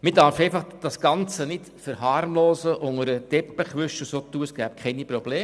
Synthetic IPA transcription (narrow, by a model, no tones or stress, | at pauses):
mɪdɑɾfɛɪfɑχd̥ɑsɡ̥ɑnt͡sənɪt | fəɾɦɑːɾmloːsəʔʊŋəɾəd̥ɛpːəχʋʏʃəsoːt̪ːuːəsɡ̥æːp̚kʰχɛnipɾɔb̥leː